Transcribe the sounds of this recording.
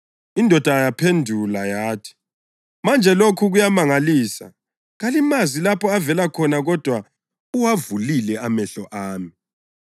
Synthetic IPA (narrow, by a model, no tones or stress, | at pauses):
indʱɔd̥ʱajapʰendʱulajaːtʰi̥ | mand͡ʒʱɛlokʰuɣujamaŋaliːsa̰ | ɣalimazilapʰɔavɛlakʰɔnaɣɔd̥ʱwa | uwavulilɛamɛɬɔʔaːmi